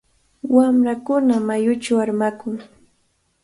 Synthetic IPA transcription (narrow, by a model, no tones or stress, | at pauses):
wamɾakʊnamajʊt͡ʃawaɾmakʊŋ